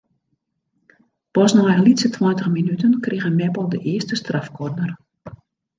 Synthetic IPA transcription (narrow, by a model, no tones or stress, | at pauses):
pɔsnɔjəlitsətʰwɔntəxminytənkrɪɣəmɛpɔlˠdəʔɪəstəstrafkɔrnər